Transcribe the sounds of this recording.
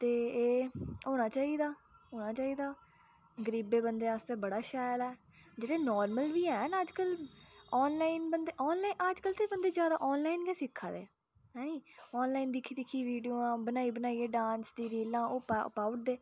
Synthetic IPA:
t̪eːeːoːñaːt͡ʃaːiːd̪aːɦoːnãːt͡ʃaːiːd̪aː | ɡəɾiːbeːbənd̪eːast̪eːbəɽaːʃaːjlɛː | d͡ʒeːɽeːnɔːɾməlʋiːɛːnːəd͡ʒkəlɔːnlaːinbənd̪eːʔɔːnlaːinəd͡ʒkəlt̪eːbənd̪eːzjaːd̪a̰ːʔɔːnlaːiːnkɛːsɪkʰːa̰ːd̪ḛː | ɦɛːnĩːɔːnlaːiːnd̪ɪkʰiːd̪ɪkʰːiːʋiːɖijoːãːbənaːiːbənaːiːeːɖãːnsd̪iːɾiːlãːo̰ːpaːʊʈ̚d̪eː

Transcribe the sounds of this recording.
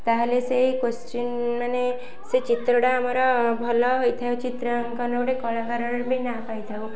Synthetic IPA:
t̪aɦlesekost͡ʃunmane | set͡ʃit̪ɾɔɽaːmaɾɔbʱɔlɔɦojt̪ʰajot͡ʃit̪ɾəŋkɔnowɽekɔɭaŋɡaɾɔɾbʱinapajt̪ʰau

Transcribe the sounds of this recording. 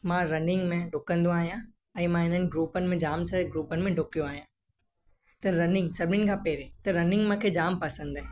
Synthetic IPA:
mãɾɐnɪ̃ŋɡmẽɖʊkə̃nd̪õaːɦijã | ɛ̃ːmãɪn̤ənɪ̆ɡɾuːpənɪ̆mẽd͡ʑaːmsɐɡɾuːpənɪmẽɖʱʊkijõaːɦijã | t̪ɐɾɐnɪ̃ŋɡsɐbʱɪnɪ̆kʰãːpeːɾẽt̪ɐɾɐnɪ̃ŋɡmãkʰeːd͡ʑaːmpɐsə̃nd̪ɦɛ̃

